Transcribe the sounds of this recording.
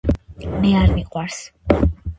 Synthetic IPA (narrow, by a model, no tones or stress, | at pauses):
mɛaɾniqʼwaɾs